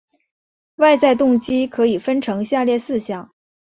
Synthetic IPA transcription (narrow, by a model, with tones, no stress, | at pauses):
wa˥˧ɪt͡sa˥˧ɪt̪ʊ˥˩ŋt͡ɕi˥kʰɤ˧˥i˨˩fə˥nʈ͡ʂʰɤ˧˥ŋɕja˥˧ljɛ˥˧sɹ̩˥˩ɕjɑ˨˩˦ŋ